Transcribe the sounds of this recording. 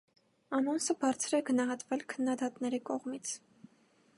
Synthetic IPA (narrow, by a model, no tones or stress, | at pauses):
ɑnɔnsəbɑɾt͡sʰɾɛɡənɑɦɑt̪vɛlkʰənːɑd̪ɑt̪nɛɾikɔʁmit͡sʰ